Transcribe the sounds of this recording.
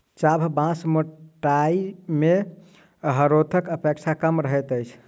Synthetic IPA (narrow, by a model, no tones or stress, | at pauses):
t͡ʃabʱbãsmoʈaime | ɦəɾot̪ʰəkəpek̚t͡ʃʰakəmɾəɦɛt̪əjt͡ʃʰ